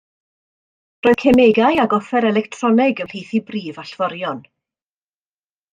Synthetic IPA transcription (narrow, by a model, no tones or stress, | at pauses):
roːɨð̥kʰemeɡajaɡɔfɛɾɛlɛktʰrɔnɛɡəwlhejθibriːvaɬv̥ɔɾjɔn